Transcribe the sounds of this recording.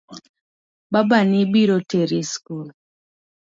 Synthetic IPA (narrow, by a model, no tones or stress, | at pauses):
babanibiɾoteɾiskul